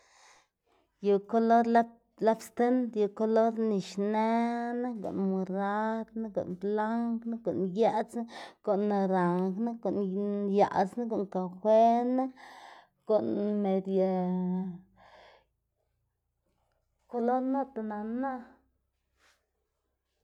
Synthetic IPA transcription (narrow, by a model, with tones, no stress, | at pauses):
ju˨ko˦lo˦ɾla˦ | la˦bst̪e˦nt̪ju˨ko˧lo˦ɾni˨ʃne˦na˦ɡo̰˨ʔnmu˨ɾa˦d̪na˦ɡo̰˨ʔnbla˦ŋkna˦ɡo˨ʔnja˦t͡sna˦ɡ̥o˨nːa˧ɾa˨ŋkna˦ɡo˨ʔnja̰˨sna˦ɡo˨ŋka˨xʷwe˦na˦ | ɡ̥o˨nme˨d̪ja˨ | ko˧lo˦ɾna˦t̪a˨na˨na˦